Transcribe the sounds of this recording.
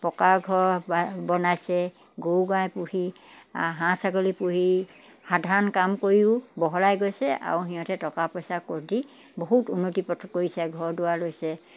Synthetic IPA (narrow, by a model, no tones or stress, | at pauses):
pɔkaɹɡʱɔɹbabɔnajsɛ | ɡowɡajpuhi | ɦãsakolipuhi | hadʱankamkoɹiʊbɔɦɔlajɡojsɛʔa̰ɹuɦijɔ̃tɛtɔkapɔjsakoɹdi | boɦutunːotiptʰkoɹisɛɡʱɔɹdʊwalojsɛ